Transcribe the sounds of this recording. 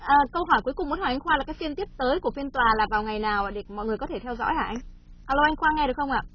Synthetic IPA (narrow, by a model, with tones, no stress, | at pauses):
ʔəː˨˩kə˧wɦɔ˧˩jku˨˦jkʊ˨˩ŋ͡mm˨˦tnhwːʔŋ̟xwaː˧laː˨˩kaː˦jfi˧nt̪i˦˥əp̚t̪əː˨˦jku˧˩əfi˧nt̪waː˨˩laː˨˩vaː˨˩wŋa˨˩jnaː˨˩waː˨˩ɗe˨˩mɔ̰˧˨jŋɨ˨˩əkɔ˨˦t̪ʰe˧˩t̪ʰɛ˧wzɔ̰˧˥jʔaː˧˩ʔa˧jŋ̟ | ʔaː˨˩lə˧wʔa˧jŋ̟xwaː˧ŋɛ˧ɗɨ˨˩əkxə˧ŋ͡mʔaː˧˨